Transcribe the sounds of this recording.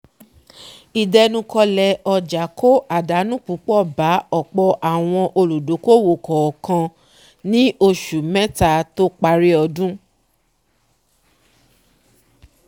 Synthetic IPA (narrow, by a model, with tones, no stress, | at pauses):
i˨dɛ˧nũ˧kɔ˧lɛ˧˦ɔ˧d͡ʒa˨˦ko˦ʔa˨da˨˦nũ˦k͡pu˨˦k͡pɔ˦˨ba˨˦ɔ˦˨k͡pɔ˧ʔa˨w̃ɔ̃˧ʔo˧lu˨do˨˦ko˦˨wo˨kɔ˨kã˧ | nĩ˦ʔo˧ʃu˨mɛ̃˦ta˦˧to˦k͡pa˧ɾi˦ɔ˧dũ˦